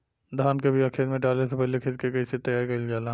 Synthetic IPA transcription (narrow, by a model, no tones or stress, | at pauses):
d̪ʱaːnkebʱiɐkʰeːlmẽʈaːlesepɛɦlekʰɪt̪̚kekɐiset̪ɐjaːɾkɐɪld͡ʒaːla